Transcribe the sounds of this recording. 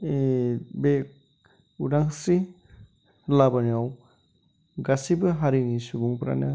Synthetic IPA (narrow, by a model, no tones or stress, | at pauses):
bek̚ | udaŋsi | labaniaw | ɡasibɯɦaɾinisubuŋpɾa̰nɯ